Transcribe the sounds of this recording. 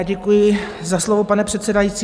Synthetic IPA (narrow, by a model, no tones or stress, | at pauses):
ɟɛkujɪ | zaslovopanɛpr̝̥ɛt̪sɛdajitt͡siː